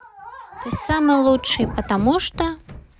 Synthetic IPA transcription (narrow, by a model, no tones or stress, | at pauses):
t̪ɔsʲsamɨjlˠutʂɨpɐt̪amuʂt̪ɔ